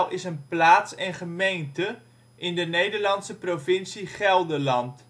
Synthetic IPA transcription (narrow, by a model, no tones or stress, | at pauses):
lʔɪsənplaːtsɛnχəmejntə | ʔɪndənejdəɹlɑntsəprofɪnsiχɛlˠdəlɑnt